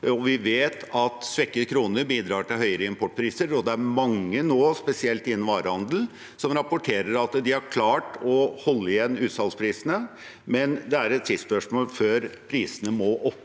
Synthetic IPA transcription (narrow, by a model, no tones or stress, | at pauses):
ɔʋɪʋeːt̪ʰɑt̪sʋɛkːəkʰɾuːnəɾbiːd̪ɾɑːʈɪlɦœʏəɾəɪmpʰɔʈ̚ːpʰɾiːsəɾɔd̪ɛæɾmɑŋːənoːspɛsɪɛlt̪ɪnːən̩ʋɑːɾəhɑnd̪əl̩ | sɔmɾɑpʊʈʰeːɾəɾɑt̪d̪ɪhɑɾkʰlɑːʈɔhɔlːəɪjɛnːʉːt̪sɑlspʰɾiːsənə | mɛnd̪ɛæɾɛt̪sʰɪspœʂmoːlføːɾpʰɾiːsənəmɔʔɔpː